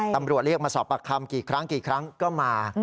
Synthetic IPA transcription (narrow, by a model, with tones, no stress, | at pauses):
t̪a˧mɾu˨˩ət̪̚ɾi˥˩ək̚maː˧sɔː˩˦pːa˧˩kʰːa˧mkiː˨˩kʰɾa˦˥ŋkiː˨˩kʰɾa˦˥ŋkɔː˥˩maː˧